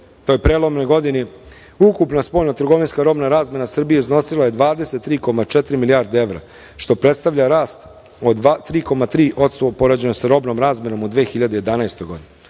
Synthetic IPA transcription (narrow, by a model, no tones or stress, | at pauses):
t̪ojpɾeːlˠo̞mnojɡo̞d̪ini | ukupnaspoːlʲnat̪r̩ɡo̞ʋinskaɾo̞bnaɾaːzme̞nasr̩bijezno̞silˠaje̞d̪ʋaːd̪e̞se̞t̪ːɾiːko̞mat͡ʂet̪ɾimilijaːɾd̪ee̞ʋɾa̰ | ʃt̪o̞pɾet̪st̪aʋʎʲaɾaːst̪ | od̪at̪ːɾiːko̞mat̪ɾiːʔo̞t̪st̪opo̞ɾad͡ʑe̞nosaɾo̞bno̞mɾaːzme̞no̞mud̪ʋeːxiʎad̪eje̞d̪anajst̪ojɡo̞d̪ine